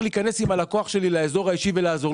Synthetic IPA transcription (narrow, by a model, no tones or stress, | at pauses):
liːkane̞simalako̞aχʃe̞lilaezo̞ʁaiʃive̞laːzo̞